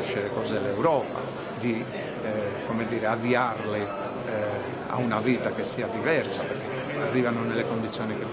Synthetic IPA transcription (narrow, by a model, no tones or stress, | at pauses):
ʃeɾekɔːzelewɾɔːpa̰ | d̪i | komed̪ːiːɾeaviarle | a̰unaviːt̪akesːiad̪ivɛɾsapeɾk̟e | arːiːvanonelekond̪it̪sːjɔːnike